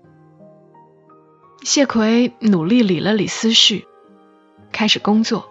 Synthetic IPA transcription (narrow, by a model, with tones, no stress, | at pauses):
ɕjɛ˥˩kʰwe˧˥ɪnu˨˩li˥˩li˨˩lə˦li˨˩sɹ̩˥ʂy˥˩ | kʰa˥ɪʂɻ̩˨˩kʊ˥ŋt͡swɔ˥˩